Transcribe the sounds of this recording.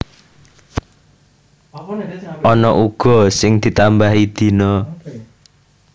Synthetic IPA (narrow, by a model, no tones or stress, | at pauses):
ʔɔnɔʔuɡ̥ɔ̤sɪŋd̪̥i̤t̪ambaɦid̪̥i̤nɔ